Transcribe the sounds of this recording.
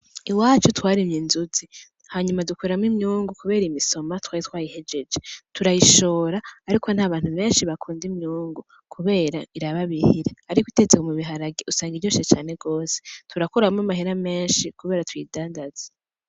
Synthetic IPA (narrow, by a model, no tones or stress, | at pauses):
iwaːt͡ʃutwaːɾimɲinzuzi | haɲumadukweɾamimɲuːŋɡukuβe̞ːɾimiso̞matwaːɾitwaːjihe̞d͡ʒe̞d͡ʒetʰuɾajiʃo̞ːɾaːɾikʰo̞n̥haːβaːn̥huβe̞ːnʃiβakʰuːndimɲuːŋɡu | kʰuβe̞ːɾaiɾaβaβihiɾeaɾikwite̞t͡sekomuβiɦaɾaɡiusaːŋɡiɟoːset͡ʃaːne̞ɡo̞ːsetʰuɾakoɾamŋamaɦeɾame̞ːnʃikuβe̞ːɾatwiːdaːndaze